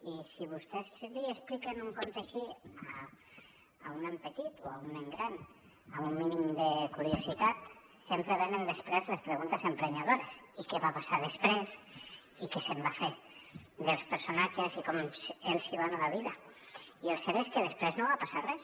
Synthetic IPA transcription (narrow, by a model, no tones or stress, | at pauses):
isiβ̞ust̪ezliesplikenuŋkont̪eaʃiaː | unempet̪it̪oauneŋɡɾan | aumːinimd̪ekuɾjosit̪at̪ | sempɾeβenend̪espɾezlespɾeɣunt̪esempɾeɲað̞oɾesikeβapasaðespɾes | ikesembafe | d̪elspeɾsonat͡ʃesikomselˠsiβ̞analaβiða | ielˠseɾeskeðespɾeznoβapasarɛs